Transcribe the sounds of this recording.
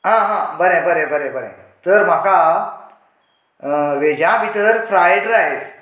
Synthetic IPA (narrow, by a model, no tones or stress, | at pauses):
ɦãɦãbəɾebəɾebəɾebəɾḛt̪əɾm̤aka | ʋed͡ʑãʋit̪əɾfɾajɖɾaes